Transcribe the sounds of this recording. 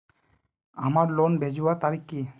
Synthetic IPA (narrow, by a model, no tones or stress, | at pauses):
amaɾlonbed͡ʒuwat̪aɾikːi